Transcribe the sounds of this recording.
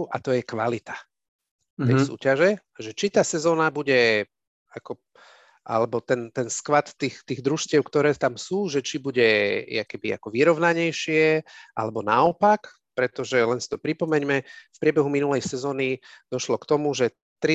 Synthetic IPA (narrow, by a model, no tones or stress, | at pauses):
ʔa̰t̪ɔjɛkʋalit̪ḁ | t̪ɛsṵːcaʒɛ | ʒɛt͡ʃit̪aːsɛzɔːnabuɟɛ | akɔ | ʔa̰lɛbɔt̪ɛnt̪ɛnskʋat̪ːixt̪iːɣd̪ɾuʃcɪɛʊkt̪ɔɾɛːt̪amsuːʒɛt͡ʃibuɟɛja̰kɛbia̰kɔʋiɾɔʋnaɲɛjʃɪɛʔa̰lɛbɔnaɔpak | pɾɛt̪ɔʒɛlɛnsi̥t̪ɔpɾipɔmɛɲmɛfpɾɪɛbɛɦuminulɛjsɛzɔːnid̪̥ɔʃlɔkt̪ɔmuʒɛ | t̪ɾi